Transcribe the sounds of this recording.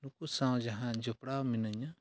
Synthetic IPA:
nukusãw̃d͡ʒɐɦãd͡ʒɐpɽaːminɐɲa

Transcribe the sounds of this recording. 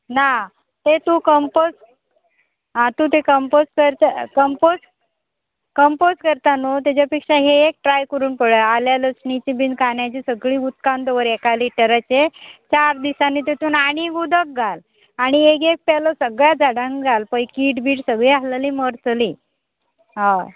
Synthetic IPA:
na | t̪et̪ũkəmpos | ɦãt̪ũt̪ekəmposʈkəɾt̪əkəmpos | kəmposkəɾt̪anot̪̬jat͡ɕapikʂaɦeek̚ʈɾajkəɾuːnpəɽəaljaləksnit͡ɕibind̪kaɳjat͡ɕiːsəɡɭiːut̪̚kand̪əʋəɾekaliːʈəɾət͡ɕet͡ɕaɾd̪isanːit̪̬et̪uːnaɽ̃iɡud̪ək̚ɡal | aɽ̃iek̬ek̚pɛlɔsəɡɭjad͡zaɽãŋɡɡalpəikiʈbiːʈsəɡɭialəliməɾt͡sli | ɦã

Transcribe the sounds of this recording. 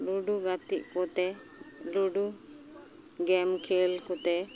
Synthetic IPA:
luɖuɡat̪iʔkɔt̪ɛ | luɖu | ɡɛmkʰelkɔt̪ɛ

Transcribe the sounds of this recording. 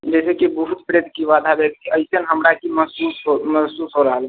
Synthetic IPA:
d͡ʒɛsekibəɦut̪pɾed̪ʱkiʋad̪ʱabekt̪iəjsənɦəmɾakiməsusɦoməsusɦoɾəɦəl

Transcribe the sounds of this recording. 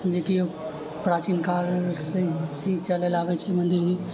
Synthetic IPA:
d͡ʒekio | pɾaːt͡ʃinkaːɾseɦit͡ʃəlelaːʋɛt͡ʃʰɛmɐ̃nd̪ɪɾme

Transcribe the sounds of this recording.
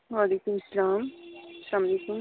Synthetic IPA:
ʋaːlikumsɐlaːmɐslaːmaleːkum

